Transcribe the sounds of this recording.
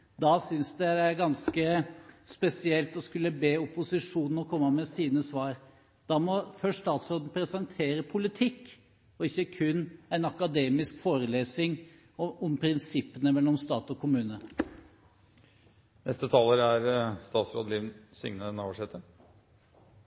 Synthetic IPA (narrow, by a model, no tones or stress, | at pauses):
d̪ɑːsʏnsd̪ɛd̪ɛæɾɡɑnskəspɛsɪɛlt̪ɔskʉlːəbeːʊpʊsɪʂuːnn̩ɔkʰɔmːəmɛsiːnəsʋɑːɾ | d̪̥ɑːmɔfœʂt̪ɑːt̪sɾoːd̪n̩pʰɾɛsɑŋt̪ʰeːɾəpʰʊlɪt̪ʰɪkː | ɔɪçːəkʰʉnːæɪnɑkɑd̪eːmɪskfoːɾəleːsɪŋ | ɔmpʰɾɪnsɪpːənəmɛlːɔmst̪ɑːt̪ɔkʰʊmʉːnə | nʔɛst̪ət̪ʰɑːləɾæɾst̪ɑːt̪sɾo̰ːd̪əliːʋnsʏ̰ŋnənɑəʂɛːt̪ə